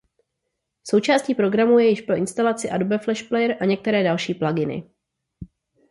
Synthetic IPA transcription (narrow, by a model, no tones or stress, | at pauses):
so̞wt͡ʃaːsciːpɾo̞ɡɾamuːjɛjɪʃpɾo̞ʔɪnst̪alat͡sɪʔadobɛflɛʃplɛjɛɾʔaɲɛk̚t̪ɛɾɛːdalʃiːplaɡɪnɪ̰